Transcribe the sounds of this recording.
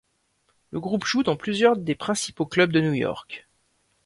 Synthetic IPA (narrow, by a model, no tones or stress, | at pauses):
ləɡʁupʒud̪ɑ̃plyzjœʁd̪epχɛ̃sipoklœbd̪ənjujɔ̰ʁk